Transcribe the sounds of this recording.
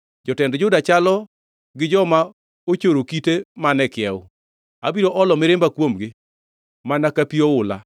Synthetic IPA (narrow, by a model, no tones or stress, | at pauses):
d͡ʒɔtɛndd͡ʒʊdat͡ʃalɔ | ɡɪd͡ʒɔma | ot͡ʃoɾokitemanɛkɪjɛʊ | abiɾoʔɔlɔmɪɾɪmbakwomɡɪ | manakapiɔʊla